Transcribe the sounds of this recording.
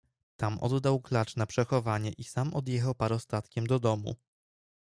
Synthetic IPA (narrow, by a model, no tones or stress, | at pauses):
t̪amʔɔ̰d̪ːawklat͡ʂnapʂɛxɔvaɲɛʔisamɔd̪jɛxawpaɾɔst̪at̪kʲɛmd̪ɔd̪ɔmṵ